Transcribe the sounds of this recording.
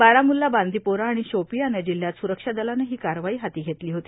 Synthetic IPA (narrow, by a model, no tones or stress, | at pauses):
baɾamulːaband̪ʱipoɾaːɽ̃iɕopijanəd͡ʑil̤ːjat̪suɾəkʂad̪əlanəɦiːkaɾʋaiːɦat̪iːɡʱet̪liːɦot̪iː